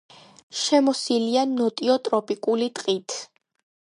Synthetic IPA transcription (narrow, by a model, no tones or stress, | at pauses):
ʃɛmɔsilianɔt̪ʼiɔt̪ʼɾɔpʼikʼulit̪ʼqʼit̪ʰ